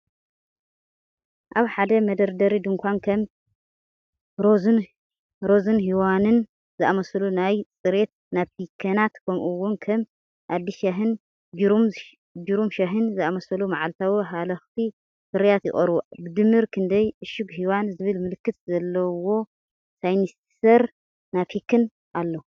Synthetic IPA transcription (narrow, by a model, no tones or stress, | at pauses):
ʔaβħad̪ɐmɐd̪ɐɾd̪ɐɾid̪ɨŋkʷʰankʰɐm | ɾoz | ɾozɨnɦiwanɨn | zɨʔamɐsɐlunajt͡sʼɨɾe̞t̪̚naβpʰikʰɐnat̪kʰɐmʔuwːʊnkʰɐm | ʔad̪ːiʃaɦɨn | d͡ʒɾum | d͡ʒiɾumʃaɦɨnzɨamɐsɐlumaʕalt̪ʰawiɦalɐxt̪ʰi | sɨɾijat̪jɪ̰xʼɐɾβubɨd̪ɨmːɨɾkʰɨnd̪ɐjʔɨʃɨɡɦiwanzɨβɨlmɨlɨkːɨt̪zɐlːɐwo̞ | sajnis | sɐɾ | naβpʰikʰːɨn | ʔalːɐu